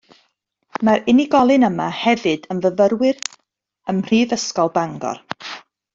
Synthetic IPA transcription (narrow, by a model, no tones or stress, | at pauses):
maɾɪniɡɔlˠɨnəmahɛvɨdənvəvəɾwɪr | əmr̥iːðəskɔlˠbaŋɡɔ̰r